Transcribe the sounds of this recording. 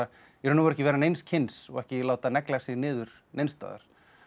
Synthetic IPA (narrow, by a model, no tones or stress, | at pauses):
a | ɛɾʏnːʏmɾɛhcɪvɛːɾanejnscʰɪnsɔ̰ɣɛhcɪlaːwt̪anɛklasɪɣnɪːðʏɾ̥ | nejnst̪a̰ːða̰ɾ̥